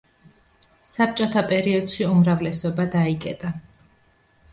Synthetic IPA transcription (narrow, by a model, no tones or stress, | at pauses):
sap̚t͡ʃʼɔt̪ʰapʼɛɾiɔd̪̥ʃiumɾavlɛsɔbad̪aikʼɛ̰t̪ʼa